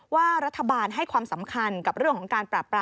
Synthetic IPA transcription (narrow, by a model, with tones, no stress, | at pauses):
waː˥˩ɾa˦˥t̪ʰːa˧baː˧nɦa˥˩jkʰwaː˧msa˩˦mkʰa˧nka˨˩ɾɯ˥˩əŋkʰɔː˩˦ŋkaː˧npɾaː˨˩pɾaː˧